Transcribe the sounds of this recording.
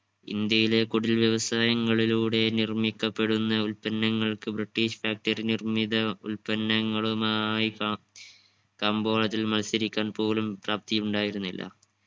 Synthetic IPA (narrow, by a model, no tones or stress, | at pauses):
ḭnd̪jɐjile̞kuɽilʋjeʋɐsaːjɐŋːɐɭiluːɽe̞nirmikːɐpːe̞ɽunːɐulpɐnːɐŋːɐɭkɨbriʈːiːɕfaːk̚ʈɐrinirmid̪ɐulpɐnːɐŋːɐɭumaji | kaːmbo̞ːɭɐt̪ːilmɐlsiɾikʲːaːnpo̞ːlumpraːp̚t̪ijuɳɖaːjiɾunːilːɐ̰